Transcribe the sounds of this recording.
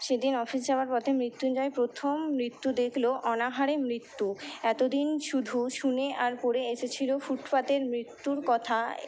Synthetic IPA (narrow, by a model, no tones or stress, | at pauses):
ʃed̪inɔfisd͡ʑabaɾpɔt̪ʰemɾit̪ːund͡ʑaepɾot̪ʰomːɾit̪ːud̪ekʰloʔɔnaɦaɾemɾit̪ːuɛt̪od̪inʃud̪ʱuʃuneʔaɾpoɾeeʃet͡ɕʰilofuʈpat̪eɾmɾit̪ːuɾkɔt̪ʰa